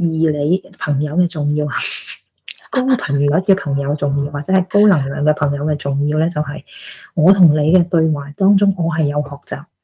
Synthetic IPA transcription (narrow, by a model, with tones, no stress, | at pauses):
jiː˨˩le˨˧jpʰɐ˨˩ŋjɐ˨˧wkɛː˧t͡sʊ˨ŋjiː˧w | kʊ˥ŋpʰɐ˨˩ŋyː˨jɐ˨˥t̚kɛː˧pʰɐ˨˩ŋjɐ˨˧wt͡sʊ˨ŋjiː˧wːaː˨t͡sɛː˨˥hɐ˨˩jko˥wlɐ˨˩ŋlœː˨˧ŋkɛː˧pʰɐ˨˩ŋjɐ˨˧wkɛː˧t͡sʊ˨ŋjiː˧wlɛː˥t͡sɐ˨wɦɐ˨jŋɔː˨˧t̪ʰʊ˨˩ŋle˨˧jkɛː˧t̪ɵ˧ɥwaː˨˩t̪ɔː˥ŋt͡sʊ˥ŋʔɔː˨˧ɦɐ˨jːɐ˨˧whɔː˨k̚t͡saː˨p̚